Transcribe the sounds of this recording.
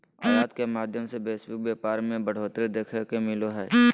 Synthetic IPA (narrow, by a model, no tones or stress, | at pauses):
aːjaːd̪kemaːd̪ʱjəmsebeːswɪk̚beːpaːɾmẽbəɽ̤oːt̪ɾed̪eːkʰekemɪloɦɛː